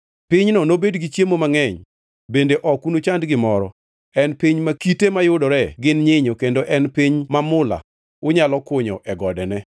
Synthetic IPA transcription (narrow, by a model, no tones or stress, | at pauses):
pɪɲnɔnobedɡɪt͡ʃjemomaŋɛɲ | bendeʔɔkunot͡ʃandɡɪmɔɾɔ | ɛnpiɲmakitemajʊdɔɾɛɡɪnɲɪɲokendoʔɛnpiɲmamʊla̰ | ʊɲalɔkʊɲɔʔɛɡɔdɛnɛ